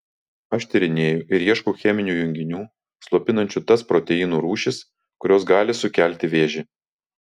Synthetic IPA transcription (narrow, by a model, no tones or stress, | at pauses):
ɐʃt̪ʲɛɾʲɪnʲeːjʊʔɪɾiɛʃkuːxʲɛmʲɪnʲuːjʊŋʲɡʲɪnʲuː | slˠuɔpʲɪnɐnʲt͡ʃʲʊt̪ɐspɾɔːt̪ʲɛiːnuːɾuːʃʲɪs | kʊɾʲoːsɡɑːlʲɪsʊkʲælʲt̪ʲɪʋʲeːʒʲɪ